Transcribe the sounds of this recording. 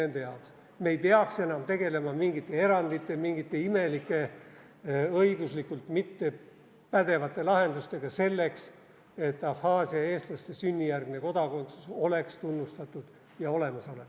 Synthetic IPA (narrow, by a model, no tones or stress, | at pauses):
e̞nd̪e̞jɑoks | me̞jpeɑkse̞nɑmt̪e̞ɡe̞le̞mɑmiŋɡit̪ːˑe̞e̞ɾɑnd̪it̪ːˑemiŋɡit̪ːˑe̞ime̞likːˑe̞ | ɤiɡ̥uslikːult̪mit̪ːe̞ | pæd̪̥e̞vɑt̪ːˑe̞lɑɦe̞nd̪ust̪e̞ɡ̥ɑse̞lːe̞ks | e̞t̪ːˑɑfhɑːsiɑe̞ːst̪lɑst̪e̞synʲːijærɡmine̞ko̞d̪̥ɑko̞nt̪suso̞le̞kst̪unːust̪ɑt̪ːˑud̪̥ | jɑo̞le̞mɑso̞leks